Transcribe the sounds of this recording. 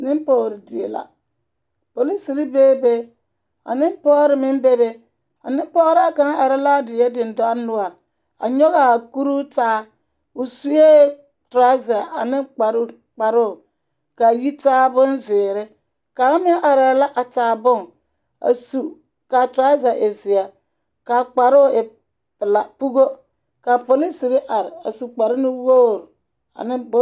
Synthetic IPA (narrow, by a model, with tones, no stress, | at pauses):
nɪ˦m˦pɔː˨ɾɪ˨di˨ḛ˨la̰˨ | po˨li˦si˨ɾi˦beː˦be˦ | a̰˨nɪ˦m˦pɔː˦ɾɪ˨mɪ˦m˦be˦be˦ | a̰˨nɪ˦m˦pɔː˦ɾa˨ka˨˦a˨ɾɪ˦la˦dɪ˨jɛ˦dɪ˨n˨dɔ˦a˦nʊ˦a˨ | a̰˨ɲɔ˦ɣa˨ku˦ɾu˦taː˦ | ʊ˨su˦je˦ | tɾa˦za˨a˨nɪ˦k͡pa˨ɾ | k͡pa˨ɾʊ˦˨ | ka˨ji˦taː˦bʊ˦n˦zɪː˨ɾɪ˦ | ka˨˦mɪ˦a˦ʔa˨ɾa˨˦la˦ʔa˨taː˨bʊ˦˨ŋ | a̰˨su˨ | ka˨tɾa˦za˨ʔe˨zɪ˨a˨ | ka˨k͡pa˨ɾʊ˦˨ɪ˨ | pɪ˨la˨pu˦ɡo˦ | ka˨po˨li˦si˨ɾɪ˦ʔa˨ɾɪ˨a̰˨su˨k͡pa˨ɾɪ˦nɪ˦wo˦˨ɾ | a̰˨nɪ˦b